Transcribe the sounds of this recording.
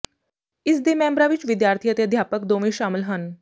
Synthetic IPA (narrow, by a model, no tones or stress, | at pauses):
ɪsd̪eːmɛ̃ːmbɾãʋɪt͡ʃʋɪd̪jaːɾt̪ʰijət̪eəd̪ʱjaːpəkd̪oːʋĩʃaːmɪlɦən